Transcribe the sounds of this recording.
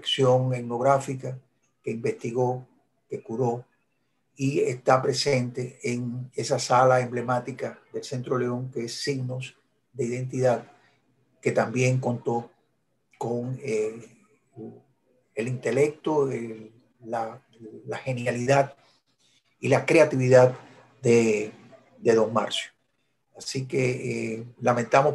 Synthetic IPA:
eksjo̞ŋe̞t̪no̞ɣɾafika | ke̞imbe̞st̪iɣo̞ | ke̞kuɾo̞ | iest̪apɾe̞se̞nt̪e̞ːŋe̞sasalae̞mble̞mat̪ikaðe̞lse̞nt̪ɾo̞le̞o̞ŋke̞esːiɣnos | d̪e̞iðẽ̞nt̪̬iðað | ke̞t̪ambje̞ŋko̞nt̪o̞ | ko̞ŋe | elint̪e̞le̞k̚t̪oe | a | lahe̞njaliðad̪ | ilakɾe̞at̪iβiðad̪ | d̪e̞ | d̪e̞ðo̞ŋma̰ɾsjo̥ | asike̞ | lamẽnt̪amo

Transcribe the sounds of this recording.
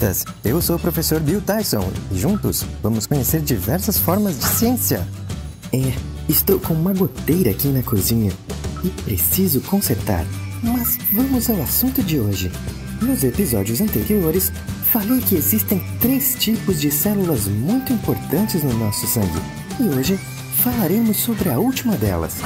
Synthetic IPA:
t̪ɐ̰s | ewsopɾofesoɾbiwt̪ajsõ̰ɪʒũnt̪ʊsvɐ̃mʊskõɲeseɾd͡ʒivɛɾsɐsfɔɾmɐzd͡ʒɪsiẽsiɐ̰ | ɛ | ɪst̪owkõũmɐɡot̪ejɾɐːkinɐkuzĩɲɐɪpɾesizʊkõseɾt̪a̰ɾmɐz | vɐ̃mʊzawasũnt̪ʊd͡ʒɪoʒɪ | nʊzepizɔd͡ʒiʊzɐ̃nt̪eɾioɾɪs | falejkɪezist̪ẽj̃t̪ɾest͡ʃipʊzd͡ʒɪsɛlulɐzmũj̃t̪ʊĩpoɾt̪ɐ̃nt͡ʃɪznʊnɔsʊsɐ̃ŋɡɪ̰ | ɪoʒɪ | falaɾẽmʊsːobɾɪɐuwt͡ʃimɐd̪ɛ̰lɐ̰s

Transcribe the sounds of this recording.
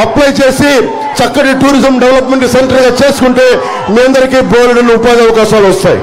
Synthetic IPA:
ɐplajt͡ʃe̞ːsi | t͡ʃɐkːɐɽiʈuːɾizɐmɖeʋɐlɐpme̞ɳʈkiseɳʈɐlɡaːt͡ʃe̞ːsu̥kuɳʈeː | miːɐnd̪ɐɾikiːboːlɐɽɐnːiupaːd̪iɐʋɐkaːʃaːluɔst̪aːjḭ

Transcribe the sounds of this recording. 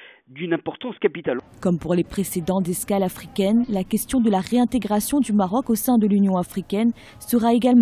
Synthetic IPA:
d̪ynɛ̃pɔʁt̪ɑ̃skapit̪alkɔmpuʁlepχesed̪ɑ̃t̪zɛskalafχikʲɛnlakʲɛst̪jɔ̃d̪əlaʁeɛ̃t̪eɡʁasjɔ̃d̪ymaʁɔkosɛ̃d̪əlynjɔ̃afχikʲɛn | səʁaeɡalm̃

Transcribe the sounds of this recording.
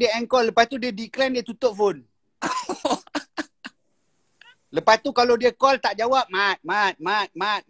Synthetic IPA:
diəɛŋkɔlːəpast̪udiədiklɛndiət̪ut̪ʊʔ̚fon | ləpast̪ukalodiəkɔlt̪aʔd͡ʒawap̚mat̪̚mat̪̚mat̪̚mat̪̚

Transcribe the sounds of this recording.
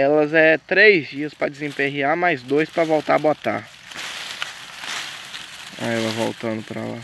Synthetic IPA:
ɛlɐzɛt̪ɾejzd͡ʒiɐspɾɐd͡ʒɪzẽpeɦiamajzd̪ojspɾɐvɔwt̪aɾbot̪a̰ | a̰ɛvɐvo̰wt̪ɐ̃nd̪ʊpɾa̰la̰

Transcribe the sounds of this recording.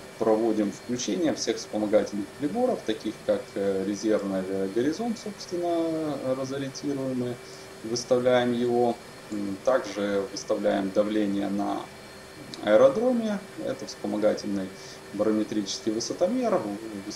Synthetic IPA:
pɾɐvo̞dʲɪmfklʲʉt͡ɕenʲɪjəfsʲe̞xfspəmɐɡatʲɪlʲnɨxpɾʲɪbo̞ɾəft̪ɐkʲixkakɾʲɪzʲe̞rvnɨɡəɾʲɪzo̞nt̪so̞pst̪vʲɪnːərəzəɾʲɪnʲtʲiɾʊjɪmɨ | vɨst̪ɐvlʲæjɪmjɪvo̞ | t̪aɡʐɨvɨst̪ɐvlʲæjɪmd̪ɐvlʲenʲɪjə̰nɐ̰ | ɐ̰əɾɐd̪ɾo̞mʲɪɛ̰t̪əfspəmɐɡatʲɪlʲnɨj | bəɾəmʲɪt̪ɾʲit͡ɕɪ̥skʲɪjvɨsət̪ɐmʲerɨ

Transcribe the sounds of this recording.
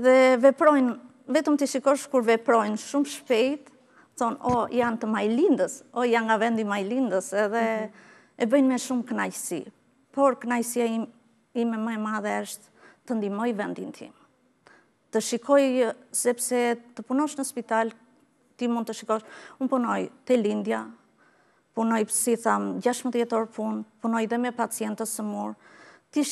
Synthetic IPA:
ɛðɛvɛpɾɔjn | vɛt̪əmt̪iʃikɔʃkuɾvɛpɾɔjnʃumʃpɛjt̪ | θɔnɔjant̪əmajlind̪əsɔjanŋɡavɛnd̪imajlind̪əsɛðɛ | ɛbəjnmɛʃumkənajsḭ | pɔɾknajsia | imɛməɛmaðɛəʃt̪ | t̪ənd̪imɔjvɛnd̪int̪ʰḭm | t̪əʃikʰɔjsɛpsɛt̪əpunɔʃnəspit̪al | t̪imũnd̪t̪əʃikɔʃunpunɔjt̪ɛlind̪ja | punɔjpsiθamd͡ʑaʃməðjɛt̪ɔɾpunpunɔjðɛmɛpat͡siɛnt̪əsəmuɾt̪iʃ

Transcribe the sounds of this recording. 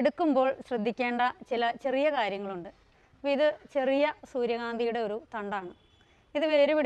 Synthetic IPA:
ɽukːumbo̞ːɭɕrɐd̪ʱːikʲːe̞ːɳɖɐt͡ɕilɐt͡ɕe̞rijɐkaːɾjɐŋːɐɭuɳɖɨ | iðɨt͡ɕe̞rijɐsuːɾjɐɣaːnd̪ijuɽe̞o̞ɾut̪ɐɳɖaːɳɨ | iðɨʋɐeɾuʋiɽ

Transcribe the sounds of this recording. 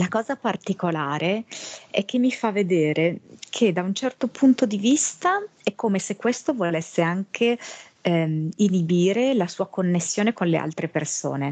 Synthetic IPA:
lakɔːzapart̪ikolaːɾʔeɛk̟ːemːifavːed̪ɛːɾekʰed̪aunt͡ʃɛrt̪opʰunt̪od̪ivist̪aɛkːomesekːwest̪ovolesːeaŋkʰe | inibiːɾelasuːakonːesːjoːnekonlḛʔa̰lt̪ɾeperso̰ːne

